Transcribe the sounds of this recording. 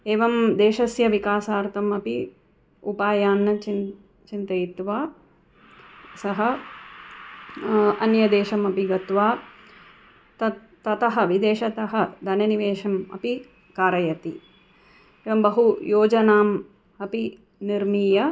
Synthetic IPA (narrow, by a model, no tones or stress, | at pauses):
eːʋɐmd̪eːʃɐsjɐʋikaːsaːɾt̪ʰɐmɐpi | upaːjaːnːɐt͡ʃin | t͡ʃint̪ɐjit̪ʋaː | sɐɦɐ | ɐnjɐd̪eːʃɐmɐpiɡɐt̪ʋaː | t̪ɐ | t̪ɐt̪ɐɦɐ̆ʋid̪eːʃɐt̪ɐɦɐd̪ʱɐnɐniʋeːʃɐmɐ̰pi | kaːɾɐjɐt̪i | eːʋɐmbɐɦujoːd͡ʒɐnaːm | ɐpi | niɾmiːjɐ